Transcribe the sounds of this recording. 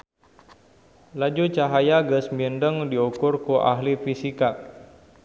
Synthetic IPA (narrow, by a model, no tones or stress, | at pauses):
lad͡ʒut͡ʃaɦajaɡəsmindəŋdiukʊrkuʔa̰ɦlifisika